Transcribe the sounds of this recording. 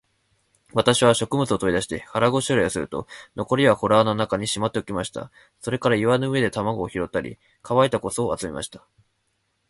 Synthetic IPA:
βat̪aɕiβaɕo̞kɯ̟mɯ̟t͡sɨo̞t̪o̞id̪aɕ̬i̥t̪e̞haɾaɡo̞ɕoɾajasɨɾɯ̟t̪o̞̰no̞ko̞ɾʲiβaho̞ɾaːnonakaɲ̟iɕimat̪ːe̞o̟kʲimaɕi̥t̪a̰ | so̞ɾe̞kaɾaiβanoɯ̟e̞d̪e̞t̪amaɡo̞ːçiɾo̞t̪ːaɾʲḭ | kʰaβait̪ako̞so̞ːat͡sɨmʲimʔa̰ɕi̥t̪ḁ

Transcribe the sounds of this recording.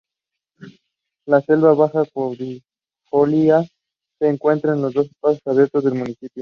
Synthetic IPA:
lase̞lβaβaxapoɾdi | xolia | seːŋkwe̞nt̪ɾaenlo̞zðo̞s̬pas̬osaβje̞ɾt̪o̞zðe̞lmũnisipjo

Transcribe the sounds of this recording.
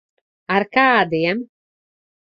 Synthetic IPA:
aɾkaːd̪iɛm

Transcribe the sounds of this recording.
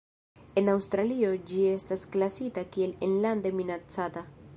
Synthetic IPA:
e̞nawst̪ɾalio̞d͡ʒie̞stasklasitakie̞linland̪e̞minat͡sata

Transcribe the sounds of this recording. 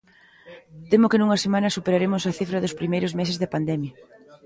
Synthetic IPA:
t̪emʊkɪnuŋɐsemãnɐsupeɾaɾemʊsɐθifɾɐðʊspɾimejɾʊszmesɪzðɪpand̪ɛmjɐ

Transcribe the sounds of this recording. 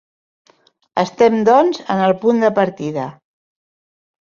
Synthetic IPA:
əst̪ɛmd̪ɔnzə̰nəlˠpund̪əpəɾt̪iðə

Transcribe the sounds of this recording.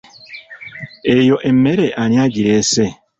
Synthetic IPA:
ejɔʔemːeɾeʔanĩad͡ʒiɾese

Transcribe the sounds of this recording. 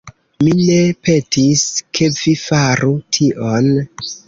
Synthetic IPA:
mine̞pe̞tiskʰe̞vifaɾutʰiʔo̞n

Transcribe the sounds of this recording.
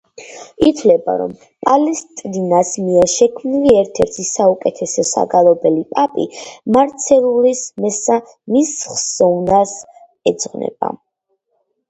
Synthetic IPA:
it̪ʰwlɛba̰ɾɔ̰m | pʼalɛst̪ʼdinasmiɛɾʃɛkʰmniliɛɾt̪ʰɛɾt̪ʰisaukʼɛt̪ʰɛsɔsa̰ɡalˠɔbɛlipʼapʼḭmaɾt̪sʰɛlulismɛsa | misχzɔvnas | ɛd̪zʼʁnɛ̰b̥a̰

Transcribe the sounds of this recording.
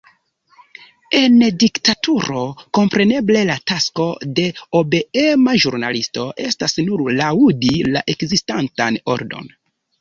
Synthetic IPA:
e̞ndiktatuɾo̞ko̞mpɾe̞ne̞ble̞latasko̞de̞obe̞emaʒuɾna̰listo̞ʔe̞̰stasnuɾlaudilaʔe̞kzistantano̞̰ɾdo̞̰n

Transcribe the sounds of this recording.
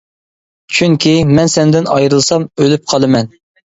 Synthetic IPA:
t͡ʃʰyŋkʲʰimɛnsɛnd̪ɪnɑjɾɨlˠsɑmølyp̚qʰɑlˠɨmɛn

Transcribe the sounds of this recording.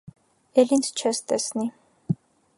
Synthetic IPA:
ɛlinsʰt͡ʃʰɛst̪ʼɛsni

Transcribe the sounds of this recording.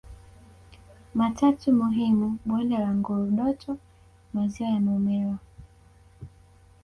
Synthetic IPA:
matʰatumuɦimuɓwɛndɛlaŋɡuɾuɗɔtʰɔ | maziwajamɛmɛla

